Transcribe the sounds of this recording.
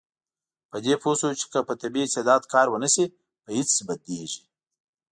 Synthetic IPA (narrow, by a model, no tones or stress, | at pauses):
pəd̪eposot͡ʃɪ̥kəpət̪abiɪsed̪ɑːd̪kɑːɾwənəsi | pəhɪt͡ssbad̪eʒi̥